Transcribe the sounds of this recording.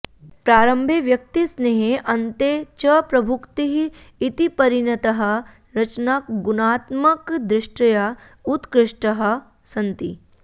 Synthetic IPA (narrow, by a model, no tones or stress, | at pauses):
pɾaːɾɐ̃mbʱeʋjɐk̚t̪isneɦeʔɐ̃nt̪et͡ʃɐpɾɐbʱukt̪iɦiː | t̪ipɐɾinɐt̪ɐɦɐ̆ | ɾɐt͡ʃnakɡʊnaːt̪mɐkd̪ɾɪʃʈɐja | ut̪kɾɪʂʈɐɦɐ̆ | sɐ̃nt̪i